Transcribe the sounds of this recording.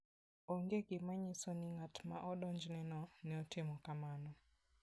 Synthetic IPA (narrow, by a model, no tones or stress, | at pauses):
oŋɡeɡɪmaɲɪsonɪŋatma̰ʔɔdɔɲd͡ʒnɛnɔnɛɔtɪmɔkamanɔ